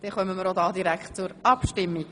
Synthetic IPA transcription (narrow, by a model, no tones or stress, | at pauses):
d̥ɛχœmːəməɾod̪ɑːd̪iɾækχt̚t͡sʊɾɑpʃtɪmːiɡ